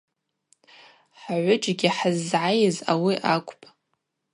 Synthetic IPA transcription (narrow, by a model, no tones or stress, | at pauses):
ħaʕʷʊd͡ʒʼɡʲiħazːʕajɪzawiʔakʷʼpʼ